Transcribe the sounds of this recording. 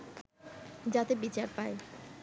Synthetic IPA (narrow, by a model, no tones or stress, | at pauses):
d͡ʑat̪ebit͡ɕaɾpae